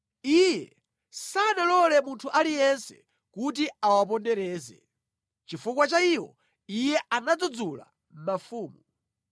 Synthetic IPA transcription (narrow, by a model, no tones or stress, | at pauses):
ijɛ | sanalɔlɛmuntʰuʔalijɛnsɛ̰ | kutiawap̬ɔndɛɾɛːzɛ̰ | t͡ʃifukwat͡ʃaiwɔ̰ | ijɛʔanad͡zud͡zula̰ | m̩mafuːmu